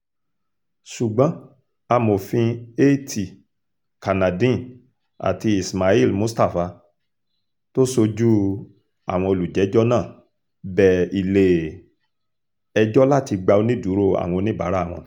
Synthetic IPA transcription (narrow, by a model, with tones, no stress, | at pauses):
ʃu˨ɡ͡bã˨˦ | a˧mo˨fĩ˧e˦ti˨ | ka˨nã˨dĩ˦˨ | a̰˨ti˧i˨sma˨i˦˨lmũ˨˦sta˦˨fa˧ | to˦so˧d͡ʒu˦ | a̰˦˨w̃ɔ̃˧o˧lu˨d͡ʒɛ˨˦d͡ʒɔ˦nãː˦˨ | bɛ˨i˨le˨ | ɛ˧d͡ʒɔ˦la˦˨ti˧ɡ͡ba˧o˧nĩ˦du˨˦ɾo˦˨a̰˨w̃ɔ̃˧nĩ˦ba̰˨˦ɾa˦˨w̃ɔ̃˧